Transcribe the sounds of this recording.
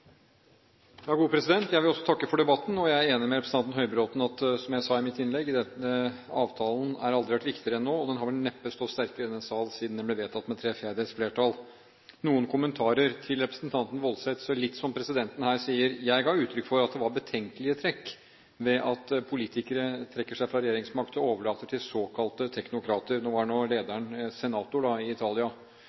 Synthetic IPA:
jɑːɡuːpʰɾɛsɪd̪ɛnt̪jæɪʋɪlɔsːɔ̥t̪ʰɑkːəfɔɖɛbɑt̪ːn̩ɔjæɪæɾeːnɪmɛɾɛpɾs̩ɑnt̪n̩ɦœʏbɾot̪n̩ɑt̪sɔmjæɪsɑːɪmɪt̪ːɪnlɛɡːɪd̪ɛt̪ːəɑːʋt̪ʰɑːln̩æɾɑld̪ɾɪʋæʈʋɪkt̪ɪəɾəɛnːoːɔd̪ɛnɦɑɾʋɛʈnɛpːəst̪ɔst̪æɾkəɾəɪd̪ɛnsɑːlsiːd̪nd̪ɛnb̪ɛʋeːt̪ʰɑt̪ːmɛt̪ʰɾeːfeːd̪əsfleːʈʰɑl | nuːənkʰʊmənt̪ʰɑːɾəɾt̪ʰɪlɾɛpɾəsnt̪ʰɑnt̪n̩ʋɔlsɛt̪sɔlɪt̪ːsɔmpʰɾɛsɪd̪ɛnt̪ən̩hæːɾsiːəɾjæɪɡɑɾʉːt̪ʰɾʏkːfɔɾɑt̪̚d̪ɛʋɑɾbət̪ʰɛŋkəlɪət̪ʰɾɛkː | ʋɛʔɑt̪pʰʊliːt̪ɪkəɾət̪ʰɾɛkːəʂæɪfɾɑɾɛjeːɾɪŋsmɑɾkt̪ɔoːʋəɭɑːt̪əʈʰɪlsoːkʰɑlt̪ət̪ʰɛknʊkʰɾɑːt̪əɾnoːʋɑɳoːleːd̪æɳsɛnɑːt̪ʊɖɑɪɪt̪ʰɑːlɪɑ

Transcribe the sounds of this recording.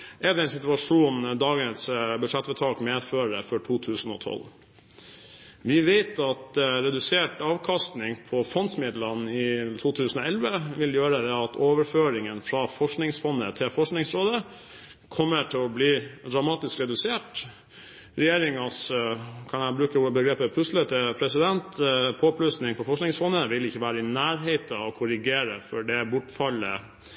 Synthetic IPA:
ʔɛɖ̪d̪ɛɛɪnsɪt̪ʉɑʂuːnd̪ɑːɡənsbʉʂɛt̪ːʋɛt̪ʰɑːkmeːføːɾəfɔʈʰuːt̪ʰʉːsən̩ɔ̰t̪ʰɔ̰l | ʋɪʋeɪt̪ʰɑt̪ɾɛd̪ʉseːʈɑːʋkʰɑst̪nɪŋpʰɔfɔnsmɪd̪lənɪt̪ʰuːt̪ʰʉːsənɔɛlʋəʋɪljøːɾəd̪ɛɑt̪ʰoːʋəɾføːɾɪŋənfɾɑfɔʂknɪŋsfɔnːət̪ʰɪlfɔʂknɪŋsɾoːd̪ə | kʰɔmːəʈʰɪlɔbliːd̪ɾɑmɑːt̪ɪskɾɛd̪ʉseːʈ | ɾɛjeːɾɪŋɑskʰɑnæbɾʉːkəbəɡɾeːpəpʰʉslət̪əpʰɾɛsɪd̪ɛnt̪pʰoːpʰlʉsnɪŋpʰɔfɔʂknɪŋsfɔnːəʋɪlɪçːəʋæːɾəɪnæːɾɦeɪt̪əɔkʰʊɾɪɡeːɾəfɔɖɛbʊʈfɑlːə̰

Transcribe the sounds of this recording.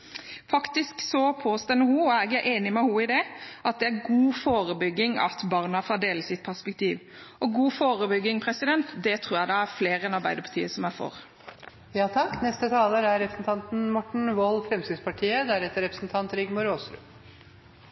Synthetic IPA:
fɑkt̪ɪsksɔpʰoːst̪ɛnəhuɔæɡæʔeːnɪmɛhuɪd̪ɛʔɑt̪̚d̪ɛæɾɡuːfoːɾəbʏɡːɪŋɑ̰t̪bɑːɾnɑfɔd̪eːləsɪt̪̚pʰæspɛkt̪ʰiːʋ | ɔɡuːfoːɾəbʏɡːɪŋpʰɾɛsɪd̪ɛnt̪d̪ɛt̪ʰɾuːɾjæɪd̪ɑæɾfleːɾɛnɑɾbæɪd̪əɾpʰɑ̥ʈ̪tʰḭːəsɔmæɾfɔ̰ɾ | jɑːt̪ʰɑkːnɛst̪ət̪ʰɑːləɾæɾɾɛpɾəsn̩t̪ʰɑnt̪n̩mɔʈɳ̩ʋɔlfɾɛmsɪd̪spɑʈʰiːəd̪æɾɛt̪ːəɾɛpɾə̥snt̪ʰɑnt̪ɾɪɡmʊɾoːsɾʉ̰ː

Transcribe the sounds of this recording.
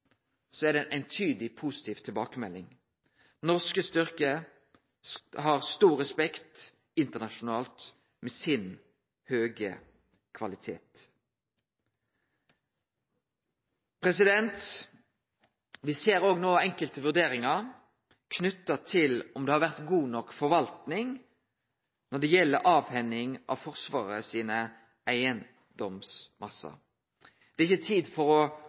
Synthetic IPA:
sɔɛd̪ɛʔæɪnt̪ʰyːd̪ɪpʰʊsɪ̥t̪ʰiːʋt̪ʰɪlbɑːkəmɛlːɪŋ | nɔʁskəst̪ʏʁkə | hɑʁst̪uːʁɛspɛkt̪ | ɪnt̪ənɑʃʊnɑːlt̪ | meːsɪn | høːɡə̰ | kʰʋɑlɪt̪ʰḛːt̪ | pʰʁɛsɪd̪ɛnt̪ | ʋɪseːɾoːɡnoːɛŋkəlt̪əʋʉʁd̪eːɾɪŋɑɾ | kʰnʉt̪ːɑt̪ʰɪlɔmd̪ɛːhɑɾʋæʁt̪ɡuːnɔkfɔɾʋɑlt̪nɪŋ | nɔɖ̪ɛjɛlːəɾʔɑːʋhɛnɪŋʔɑ̰ʋfɔʁsʋɑːʁəsiːnə | ʔæɪən | d̪ɔmsmɑsɑ̰ɾ | d̪̥ɛːɪçət̪ʰiːd̪fɔʁɔ

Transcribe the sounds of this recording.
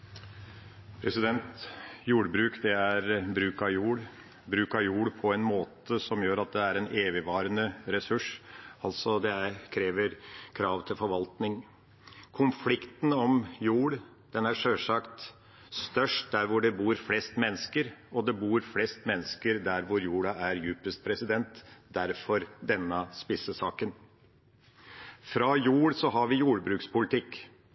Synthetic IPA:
pʰɾɛsɪd̪ɛnt̪juːɽbɾʉːkd̪ɛæɾbɾʉːkɑjuːɽ | bɾʉːkɑjuːɽpʰɔɛnmoːt̪əsɔmjøːɾɑt̪̚d̪ɛæɾɛneːʋɪʋɑːɾənəɾɛsʉʂɑlt̪sɔd̪ɛækʰɾeːʋəɾkʰɾɑːʋt̪ʰɪlfɔɾʋɑlt̪nɪŋ | kʰʊnflɪkt̪n̩ɔmjuːɽ | d̪̥ɛnæʂøːʂɑkt̪ | st̪œʂʈ̚d̪æɾʋʊɖɛbuːɾflɛst̪mɛnːəskəɾɔd̪ɛbuːɾflɛst̪mɛnːəskəɾd̪æɾʋʊɾjuːɽɑæɾjʉːpəst̪pʰɾɛsɪd̪ɛnt̪d̪æɾfɔɾd̪ɛnːəspɪsəsɑːkən | fɾɑjuːɽsɔɦɑɾʋɪjuːɽbɾʉːkspʊlɪt̪ʰɪkː

